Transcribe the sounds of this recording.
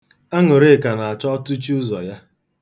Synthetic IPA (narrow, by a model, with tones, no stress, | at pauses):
a˦ŋʊ˨ɾe˦˨ka˨na˨a˨t͡ʃɔ˦ɔ˦tu˦t͡ʃu˦ʊ˦zɔ˨ja˦